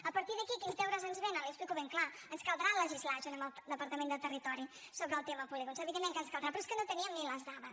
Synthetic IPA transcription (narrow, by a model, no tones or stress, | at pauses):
apaɾt̪iðəkikint̪ɛwɾazanzβenalesplikoβeŋklaənskald̪ɾalaʒizlaʃunad̪apaɾt̪ɐment̪ət̪erit̪ɔɾisoβɾalt̪emapuβlikunt͡ʃɛeβid̪emːeŋkanskald̪ɾapɾɔskənot̪eniamːilːazd̪aβa